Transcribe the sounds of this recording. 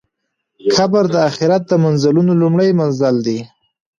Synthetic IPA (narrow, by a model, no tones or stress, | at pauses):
kʰabaɾd̪əaxɪɾat̪̚d̪əmanzalunolumɽəjmanzald̪i